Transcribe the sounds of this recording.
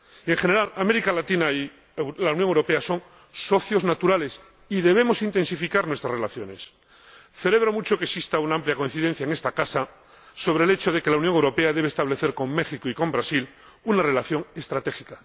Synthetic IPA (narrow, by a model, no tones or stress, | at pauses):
e̞ŋxene̞ɾalame̞ɾikalat̪inai | lawnjoŋewɾo̞pe̞aso̞ŋ | so̞θjo̞znat̪uɾale̞s | iðe̞β̞e̞mo̞sint̪e̞nsifikaɾnwe̞st̪ɾazrelaθjo̞ne̞s | θe̞le̞β̞ɾo̞mut͡ʃo̞keksist̪aunaampljakoinθiðe̞n̟θjaeŋest̪akasa | so̞βɾe̞ːlet͡ʃo̞ð̞e̞ke̞lauwnjoŋewɾo̞pe̞aðe̞βest̪aβ̞le̞θe̞ɾko̞mme̞xikoiko̞mbɾasil | unare̞laθjo̞ŋest̪ɾat̪e̞xika